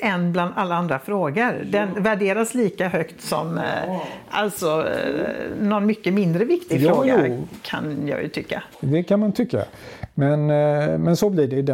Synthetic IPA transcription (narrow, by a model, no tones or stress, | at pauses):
ɛnbland̪alːaand̪ɾafɾoːɡəɾd̪ɛnvæɖeːɾasliːkaɦœkt̪sɔm | ʔa̰lt̪sɔ | nɔnmʏkːəmɪnd̪ɾəvɪkt̪ɪɡfɾoːjaɾkʰa̰njɑ̰ːjɵ̰t̪ʰʏkːa̰d̪ɛkʰanmant̪ʰʏkːa̰ | mɛnmɛnsɔbliɖɛd̪ɛ